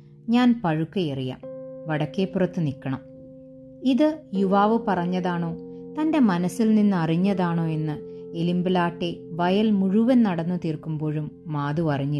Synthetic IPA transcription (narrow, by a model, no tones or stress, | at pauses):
ɲaːnpɐɻukːɐjerija̰ːmʋɐɽɐkːeːpːurɐt̪ːɨnikːɐɳɐm | iðɨjuʋaːʋɨpɐrɐɲːɐðaːɳoːt̪ɐnde̞mɐnɐsilninːɨɐriɲːɐðaːɳo̞ːe̞nːɨelimbɨlaːʈːe̞ʋɐjɐlmuɻuʋɐnnɐɽɐnːut̪iːrkːumbo̞ːɻumːaːðuʋɐriɲːi